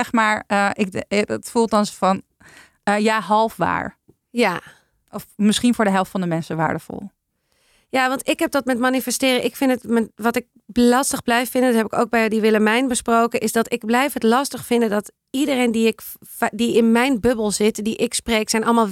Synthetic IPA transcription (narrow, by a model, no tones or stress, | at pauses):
ɛxmaːɹəɪkətfulˠt̚ɑnsfɔn | əjaːɦɑlˠfʋa̰ːɹ | ja | ɔfmɪsχinfʊːɹdəɦɛlˠftfɑndəmɛnsəʋa̰ːɹdəfɔ̰lˠ | jaʋɑntɪkɦɛp̚dɔtmɛtmanifɛstɪːrəʔɪkfɪndətmɛʋɔtɪk̚ | lɑstəɣblɛjffɪndəndɔthɛpɪko̰wk̚bɛjdiʋɪlˠəmɛjnbəsprowkəʔɪsdɔtɪɡ̚blɛjfɦətlɑstəχfɪndədɔt | idərejndiɪk | diɪnmɛjnbøbəlˠzɪtdiʔɪkspreːksɛjnʔɔlˠmaːlˠ